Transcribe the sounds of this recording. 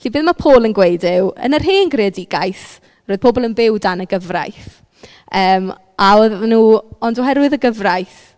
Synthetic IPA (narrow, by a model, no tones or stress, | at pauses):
ɬibeːðmapʰoːlˠənɡwejdɪwə̰nərɦeːnɡreədiɡajθ | roːjð̥pʰobɔlˠənbɪwdanəɡəvra̰jθ | əːm | aoðanuːɔndoɦɛɾwɪðəɡəvrajθ